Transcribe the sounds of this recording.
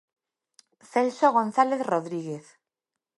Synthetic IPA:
θelsoɣ̞onθaleθroðɾiɣ̞eθ

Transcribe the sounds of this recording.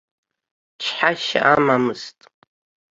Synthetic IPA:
t͡ʃʰħaʃa̰ʔamamɨztʼ

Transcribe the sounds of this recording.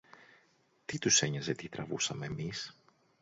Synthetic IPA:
t̪it̪use̞ɲɐze̞t̪it̪ɾɐ̰vusɐme̞ːmis

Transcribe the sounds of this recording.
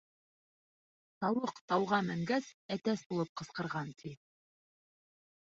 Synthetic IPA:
t̪ɑwɤqt̪ɑwʁɑmæŋɡæsæt̪æsbulˠɤp̚qɤ̆sqɤ̆ɾʁɑnt̪ʰi

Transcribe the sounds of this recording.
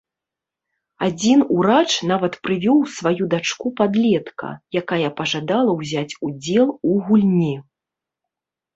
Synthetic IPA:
ad͡zʲinuɾat͡ʂnavɐt̪pɾɨvʲɔwsvajud̪at͡ʂkupad̪lʲɛt̪kʰɐ̰jakajɐpɐʐad̪alˠɐwzʲat͡sʲud͡zʲɛlˠuɣulʲnʲi

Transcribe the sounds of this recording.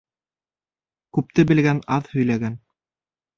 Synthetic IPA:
kʉp̚t̪ɘbɘ̆lɡænɑðhɵ̆jlæɡæn

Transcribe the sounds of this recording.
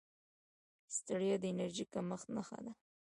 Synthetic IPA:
st̪əɽjod̪əenaɾʒikaməxt̪naxa̰d̪a

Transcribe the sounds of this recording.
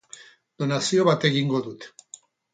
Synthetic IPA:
d̪̥o̞nasio̞βat̪e̞ɣiŋɡo̞ðut̪

